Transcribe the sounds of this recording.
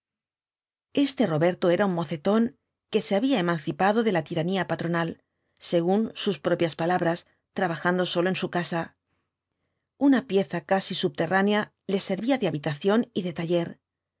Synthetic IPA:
e̞st̪e̞ro̞βe̞ɾt̪o̞e̞ɾaunmo̞θe̞t̪o̞ŋ | ke̞se̞aβiae̞mãn̟θipaðo̞ðe̞lat̪iɾaniapat̪ɾo̞nal | se̞ɣ̞unsuspɾo̞pjaspalaβɾas | t̪ɾaβ̞axand̪o̞so̞loe̞nsukasa | unapje̞θakasisuβ̚t̪e̞rʔanea | le̞se̞ɾβiaðeaβit̪aθjo̞niðe̞t̪aʎe̞ɾ

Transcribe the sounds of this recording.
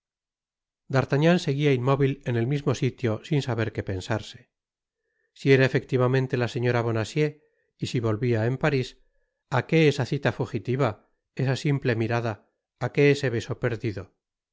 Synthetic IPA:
d̪aɾt̪aɲanse̞ɣiaimmo̞βile̞ne̞lmizmo̞sit̪jo̞sinsaβe̞ɾke̞pe̞nsaɾse̞̥ | sie̞ɾaefe̞k̚t̪iβamẽnt̪e̞lase̞ɲo̞ɾaβ̞o̞nasje̞ | isiβo̞lβiae̞mpaɾis | ake̞esaθit̪afuxit̪iβa | e̞sasimple̞miɾaðaː | ke̞ese̞βe̞so̞pe̞ɾðiðo̞

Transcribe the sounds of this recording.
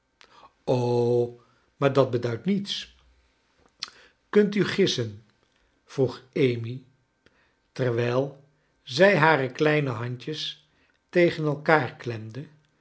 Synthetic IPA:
o | maːɹdɑd̚bədœɥtnits | kɵntyχɪsən | v̥ruχejmi | tɛɹʋɛjlˠ | zɛjɦaːrəklɛjnəɦɑɲcəs | tejχənɛlˠkaːɹklɛmdə

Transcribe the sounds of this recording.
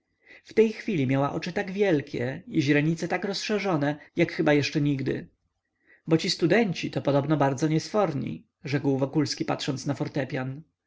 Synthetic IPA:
ft̪ɛjxfʲilʲimʲjawaʔɔt͡ʂɘt̪aɡvʲjɛlkʲʰɛiʑɾɛɲit̪sɛt̪akɾɔsʂɛʐɔnɛjakxɘbajɛʂt͡ʂɛɲiɡd̪ɘ̰ | bɔt͡ɕist̪ud̪ɛɲt͡ɕit̪ɔpɔd̪ɔbnɔbaɾd̪zɔɲɛsfɔɾɲḭ | ʐɛkwvɔkulskʲipat̪ʂɔnt̪snafɔɾt̪ɛpʲjan

